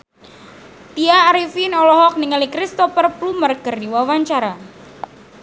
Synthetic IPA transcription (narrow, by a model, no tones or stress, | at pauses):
t̪iaːɾifinɔlɔɦɔk̚niŋalikɾist̪ɔfərplumərɡərdiwawaɲt͡ʃaɾa